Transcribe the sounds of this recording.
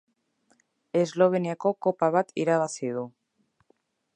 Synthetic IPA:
ezloβenjakokopaβat̪iɾaβaθiðu

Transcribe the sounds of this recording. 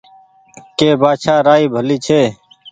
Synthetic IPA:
keːbaːʃʰaːɾaːiːbʱəliːt͡ʃʰeː

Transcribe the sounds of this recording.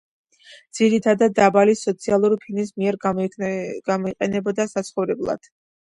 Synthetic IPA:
d̪z̥iɾit̪ʰad̪ad̪̚ːabalisɔt̪sʰialˠuɾpʰilnis̬miɛɾ | ɡ̥amɔiqʼɛnɛbɔd̪asat̪sʰχɔvɾɛblˠa̰d̪̥

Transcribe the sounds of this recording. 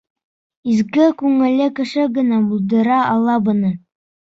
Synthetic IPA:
izkɘkʉŋɘ̆lɘkɘ̆ʃɘɡɘ̆næbulˠd̪ɤ̆ɾɑɑlˠɑbɤ̆nɤ

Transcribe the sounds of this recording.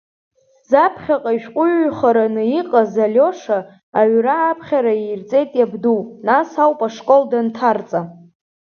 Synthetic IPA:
zapʰχʲaqʼaiʃᶣqʷʼʊɥχaɾanɨiqʼazalʲo̞ʂa | aɥraːpʰχʲaɾaijrt͡sʼe̞jtʼjabdunasawpʼaʂkʼo̞ldantʰart͡sʼa

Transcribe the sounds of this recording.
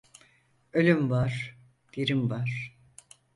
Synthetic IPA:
ølʲymvaɾ̥ | d̪̥iɾimvaɾ̥

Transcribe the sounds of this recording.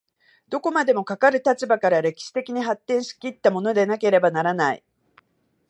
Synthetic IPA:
d̪̥o̞ko̞mad̪e̞mo̞kakaɾɯ̟t̪at͡ɕibakaɾaɾe̞kʲi̥ɕi̥t̪e̞kʲiɲ̟iɦat̪ːẽ̞ɰ̃ɕi̥kʲit̪ːamo̞no̞d̪e̞nake̞ɾe̞banaɾanaḭ

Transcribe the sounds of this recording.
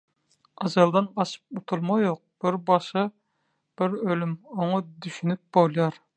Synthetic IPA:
ɑzɑlˠd̪ɑnqɑʃɯ̥p̚ut̪ʰulˠmɑjoq̚b̥ɪɾbɑʃɨ | b̥ɪɾølymoŋɑd̪yʃynyp̚b̥olˠjɑɾ

